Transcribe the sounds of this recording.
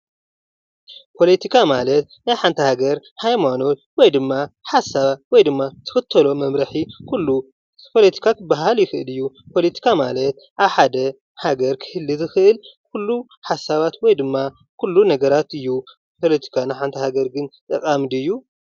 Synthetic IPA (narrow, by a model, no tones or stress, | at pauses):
pʰo̞let̪ʰikʰamalɐt̪ | najħant̪ʰɐhaɡɐɾhajmano̞t̪̚wɔjd̪ɨmːaħasaβwɔjd̪ɨmːat̪ʰɨ̥xɨt̪ʰːɐlo̞mɐmɾɐħikʰulːu | pʰo̞let̪ʰi̥kʰakʰɨbaɦaljɪxɨʔɨ̰lɨjːu | pʰo̞let̪ʰi̥kʰamalɐt̪̚ | ʔaβħad̪ɐ | haɡɐɾkʰɨ̥hɨlːizɨxɨʔɨlkʰulːu | ħasːaβat̪wɔjd̪ɨmːa | kʰulːunɐɡɐɾat̪ɨjːu | pʰo̞let̪ʰi̥kʰanajħant̪ʰɐhaɡɐɾɡɨnt̪ʼɐkʼamd̪ɨjːu